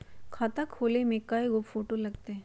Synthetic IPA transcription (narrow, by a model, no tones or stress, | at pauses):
kʰaːt̪akʰːoːlemẽkːaːeɡopfoːʈolɐɡt̪eɦ